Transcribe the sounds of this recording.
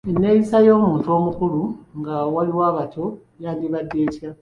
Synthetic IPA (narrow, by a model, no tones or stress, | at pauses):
enːe̞jisajo̞ːmuːntuo̞ːmukuluŋɡawaliwaːβatʰo̞ | jaːndiβadːe̞ːca